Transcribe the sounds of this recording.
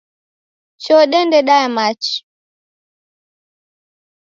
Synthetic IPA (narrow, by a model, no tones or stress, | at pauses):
t͡ʃɔɗɛndɛɗaɛmat͡ʃi̥